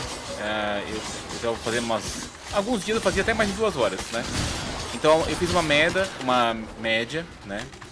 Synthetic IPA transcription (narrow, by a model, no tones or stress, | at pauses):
aḛw | ewʒavfazeɾũmɐs | awɡũzd͡ʒiɐzewfaziɐat̪ɛmajzd͡ʒɪd̪uɐzɔɾɐsnɛẽnt̪ɐ̃ewfizũmɐmɛd̪ɐũmɐmɛd͡ʒɐ | nɛ